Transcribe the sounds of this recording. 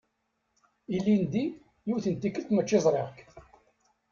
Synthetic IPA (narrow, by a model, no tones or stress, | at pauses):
ilːind̪i | jʊθənt̪ːikəlt̪mət͡ʃːezˤɾˤeʁk